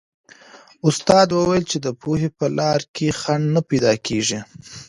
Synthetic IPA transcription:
ʊst̪ɑd̪wəwajəlt͡ʃed̪əpoɦepəlɑɾkʰexaɳnapajd̪ɑkʰeʒi

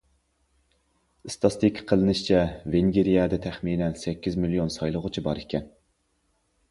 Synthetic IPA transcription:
ɨst̪ʰɑst̪ʰikʲʰːqʰəlˠɨnɨʃt͡ʃʰɛveŋɡʲeɾijɛd̪ɛt̪ʰæχminɛnsɛkʲːizmilijonsɑjlˠəʁʊt͡ʃʰibɑɾekʲɛn

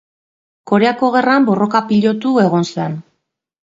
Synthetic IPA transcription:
ko̞ɾe̞ako̞ɣerambo̞ro̞kapiʎo̞t̪ue̞ɣ̞o̞nsan

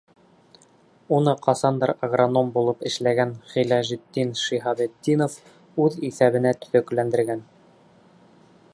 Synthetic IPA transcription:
unɤqɑsɑnd̪ɑɾɐɡrono̞mbulˠɤpɘ̆ʃlæɡænχilɑʒit̪ʲːinʃiɦɑbet̪ʲːinof | ʉðiθæβɘ̆næt̪ɵ̥̆θæklænd̪ɘ̆ɾɡæn

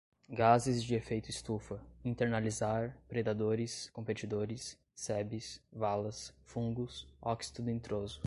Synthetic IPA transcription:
ɡazɪzd͡ʒɪefejt̪ʊɪst̪ufɐĩnt̪eɾnalizaɾpɾed̪ad̪oɾɪskõpet͡ʃid̪oɾɪsː | ɛbɪsvalɐsfũŋɡʊsɔksi̥t̪ʊd̪ʊĩnt̪ɾozʊ

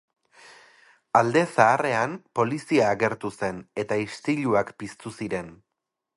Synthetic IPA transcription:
ald̪e̞saːre̞ampo̞lisiaːɣe̞ɾt̪use̞ne̞t̪aist̪iʎuakpist̪usiɾe̞n

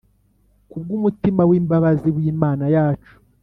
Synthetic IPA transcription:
kub̚ɡuːmutimawiːmbaβaziβwiːmaːnajaːt͡ʃu̥

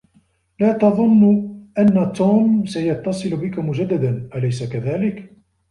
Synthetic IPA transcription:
laːt̪ɑðˤʊnːʊʔanːat̪uːmsajɑt̪ːɑsˤɨlʊbɪkʊmʊd͡ʒad̪ːad̪anʔalajsakaðaːlɪk

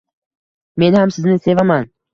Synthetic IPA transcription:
me̞nhamsɪznɪse̞vaman

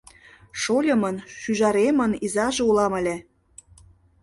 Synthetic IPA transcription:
ʃolʲə̆mənʃyʒɑɾemənizɑʒeulɑmə̆lʲĕ

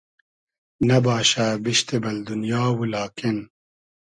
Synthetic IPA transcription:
nɐbɑːʃabiʃt̪ebɐld̪unjɑːwulɑːken

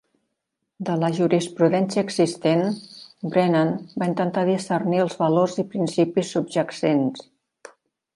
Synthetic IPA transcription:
d̪ələʒuɾispɾuðɛnsiəːɡzist̪enbɾenanbaint̪ənt̪aðisərniəlˠzβəlorzipɾinsipisːub̚ʒəksens

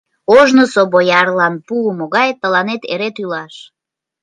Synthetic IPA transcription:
oʒnosobojɑrlɑnpuəmoɣɑjt̪əlɑnet̪ḛɾet̪ylɑʃ

